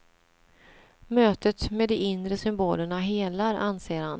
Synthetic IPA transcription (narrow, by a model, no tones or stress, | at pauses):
møːt̪ət̪meːd̪ɛɪnd̪ɾəsʏmboːləɳaɦeːlaɾanseːɾhan